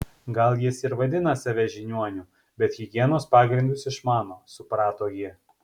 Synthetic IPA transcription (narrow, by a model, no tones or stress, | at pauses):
ɡɐlˠjɪsɪɾʋɐd̪ʲɪnɐsʲɑʋʲɛʒʲɪnʲuɔnʲuː | bʲɛt̪ɣʲɪɡʲiɛnoːspɑːɡɾʲɪnd̪ʊsɪʃmɑːnoːsʊpɾɑːt̪oːjɪ